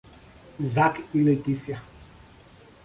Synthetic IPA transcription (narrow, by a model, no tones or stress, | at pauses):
zakilɛɡisja